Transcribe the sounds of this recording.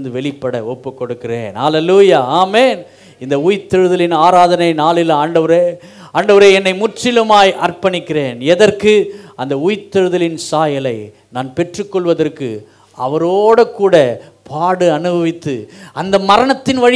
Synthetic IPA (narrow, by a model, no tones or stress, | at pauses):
nd̪ɯʋɛɭɪpːɐɽɐ̰ɔpːɯkːɔɽɯkːɪrḛːna̰ːleluːjaːaːmeːn | ɪnd̪ɐʊjt̪ːɛɻɯðɐlɪnaːɾaːðɐnɐɪnaːɭɪlaːɳɖɐʋɐɾe | aːɳɖɐʋɐɾeːɛnːɐɪmʊʈt͡ʃɪlɯmaːjʔɐrpɐɳɪkːɪreːnɛðɐrkɯɐnd̪ɐuːjt̪ːɐɻɯðɐlɪnsaːjɐlɐɪ | naːnpɛʈrɯkːɔɭʋɐðɐrkɯ̰ | ɐ̰ʋɐɾoːɽɐkːuːɽɐ | paːɽɯɐnɯbɐʋɪt̪ːɯɐnd̪ɐmɐɾɐɳɐt̪ːɪnʋɐɻ